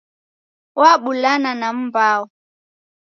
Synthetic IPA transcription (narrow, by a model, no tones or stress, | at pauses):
waɓulananam̩baɔ